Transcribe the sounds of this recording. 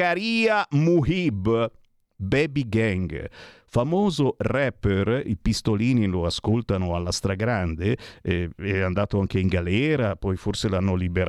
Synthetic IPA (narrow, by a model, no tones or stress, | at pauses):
aɾiːamuɦib | bɛbiɡɛŋɡ | famoːzorɛpːerḭpist̪oliːniloaskolt̪anoalːast̪ɾaɡɾand̪eɛɛand̪aːt̪oaŋkeiŋɡalɛːɾapɔjforselanːolibeɾ